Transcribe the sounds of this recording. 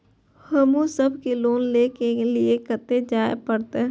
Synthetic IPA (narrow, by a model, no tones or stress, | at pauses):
həmũsəbkiloːnleːkeeliekət̪ed͡ʒaːḛpəɽt̪e